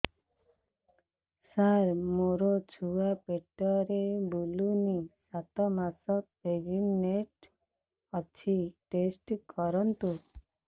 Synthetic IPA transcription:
saɾmoɾɔt͡ʃʰuapeʈɔɾebulunisat̪ɔmasɔt | ed͡ʒinːeʈ | ɔt͡ʃʰiʈesʈkɔɾɔnt̪u

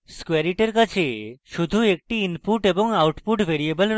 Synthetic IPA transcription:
skɛɾiʈeɾkat͡ɕʰeʃud̪ʱuek̚ʈiinpuʈeboŋawʈpuʈbʱeɾiebəlɾ

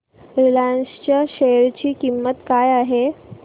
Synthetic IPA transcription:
ɾilanst͡ɕjaɕeɾt͡ɕiːkimːət̪kajaɦe

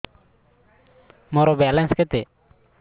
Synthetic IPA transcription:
mɔɾɔbɛalɛnskɛt̪ɛ

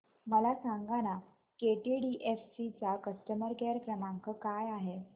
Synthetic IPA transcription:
məlasaŋɡaña | keʈiɖiʔefsit͡sakəsʈəməɾkeɾkɾəmãŋkəkajaɦe

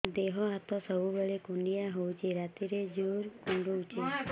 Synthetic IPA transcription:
d̪eɦɔat̪ɔsəbubeɭekuɳɖijaɦowt͡ʃʰeɾat̪iɾed͡ʒuɾkũɳɖuwt͡ʃʰe

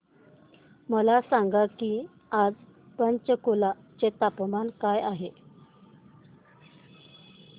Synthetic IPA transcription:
məlasaŋɡakiː | ad͡z | pənt͡ɕəkola | t͡ɕet̪apmankajaɦe

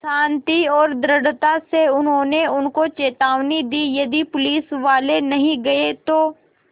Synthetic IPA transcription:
ʃãːnt̪iɔːɾd̪ɾɐɽt̪aseʊnɦõːneʊnkot͡ʃeːt̪aːʋnid̪iːjɐd̪ipʊliːsʋaːlenɐɦĩɡɐet̪oː

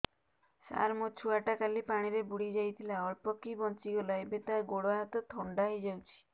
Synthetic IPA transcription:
sa̰ɾmot͡ʃʰuaʈakalipaɽ̃iɾebuɽid͡ʒajt̪ʰilaɔɭpɔkibɔnt͡ʃiɡɔlaebet̪aɾɡoɽɔaɦɔt̪ɔt̪ʰɔɳɖaɦejd͡ʒawt͡ʃʰi̥

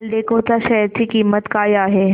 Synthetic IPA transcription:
ld̪eːkʰot͡saʃɛjəɾt͡sikiːmːət̪kaːjaːɦe

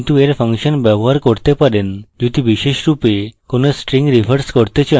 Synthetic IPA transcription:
nt̪ueɾfə̃ŋkɕənbɛbɔɦaɾkɔɽt̪epaɾend͡ʑut̪ʰibiɕeɕɾupekonesʈɾĩŋɡɾifəɾskɔɽt̪et͡ɕe

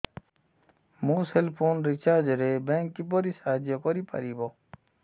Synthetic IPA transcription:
muːselpʰoːnɾit͡ʃaːd͡ʑɾebeŋkːiboɾisaːd͡ʒjokoɾipɐ̰ɾibo

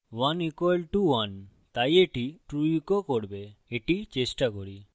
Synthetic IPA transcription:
wanikwɔlʈuwan | t̪ajeʈiʈɾuikokoɽbeeʈit͡ʃesʈakoɽi

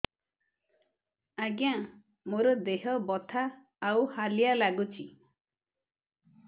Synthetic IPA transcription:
aɡja | moɾɔd̪eɦɔbɔt̪ʰaː | whalijalaɡut͡ʃʰi

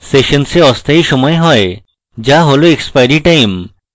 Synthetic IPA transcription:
seʃonseɔst̪ʰajʃɔmɔeɦɔe | d͡ʑaɦoloekspajɾiʈajm

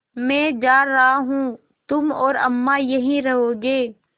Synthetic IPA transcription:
mɛ̃ːd͡ʒaːɐɦaɦũː | t̪ʊmɔːɾɐmːajɐɦĩɾɐɦoːɡeː

